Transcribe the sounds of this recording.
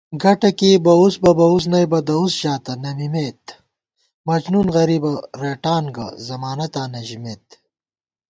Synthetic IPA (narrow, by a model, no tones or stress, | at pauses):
ɡɐʈɐkibɐusbɐbɐus̬nɐjbɐd̪ɐusʑaːt̪ɐnɐmimeːt̪ | mɐd͡ʑnunɣɐɾiːbɐɾeːʈaːnɡɐ̰zɐmaːnɐt̪aːnɐʑimeːt̪